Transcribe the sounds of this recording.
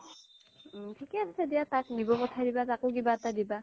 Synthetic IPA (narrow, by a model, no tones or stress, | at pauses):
tʰikɛassedijataknibɔkɔtʰadibatakʊkibaɛtadiba